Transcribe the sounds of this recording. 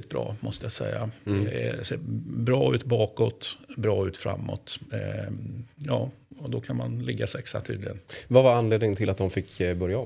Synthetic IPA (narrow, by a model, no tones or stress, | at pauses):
ɪt̪̚bɾɑ̰ːmɔst̪əjasɛjːa | seːbɾɑːʉ̟ːt̪bɑːkɔt̪bɾɑːʉ̟ːt̪fɾa̰mːɔ̰t̪ | jɑː | ɔd̪ɔkʰanmanlɪɡːasɛksa̰t̪ʰyːd̪ɪɡənvavaɾanleːd̪nɪŋnt̪ʰɪlat̪̚d̪ɔmfɪkːbœɾjaɔm